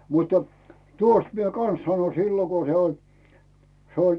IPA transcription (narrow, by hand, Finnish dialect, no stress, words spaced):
mutˑɑ̥ tuost mie kɑn̞s sɑno silːo ko se olʲ se olʲ